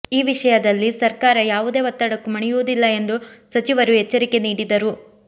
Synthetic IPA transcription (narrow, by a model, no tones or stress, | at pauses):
iːʋiʂɐjɐd̪ɐlːisɐɾkaːɾɐjaːʋud̪e̞ːʋɐt̪ːɐɽɐkːumɐɳɛjuːd̪ilːɐe̞nd̪usɐt͡ʃiʋɐɾuɦɛt͡ʃːɐɾike̞niːɽid̪ɐɾu